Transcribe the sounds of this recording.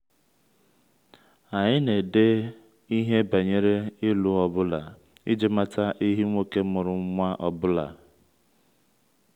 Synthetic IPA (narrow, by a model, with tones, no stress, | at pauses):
a˨ɲɪ˦ne˨de˦ | i˦ɦe˦ba˨ɲe˨ɾe˦ɪ˦lu˨ɔ˨bʊ˦la˨ | ḭ˦d͡ʒe˦ma˦ta˦ʔi˦ɦi˦ŋʷo˦ke˦mʊ˨ɾʊ˨ŋ̩˦ŋʷa˦ʔɔ˨bʊ˦la̰˨